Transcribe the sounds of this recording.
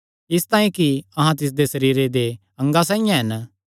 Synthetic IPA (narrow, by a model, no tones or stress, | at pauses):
ɪst̪ãːĩkiɐɦãt̪ɪs̬d̪esɐɾiːɾed̪e | ɐ̃ŋɡas̬ãːijãɦɛn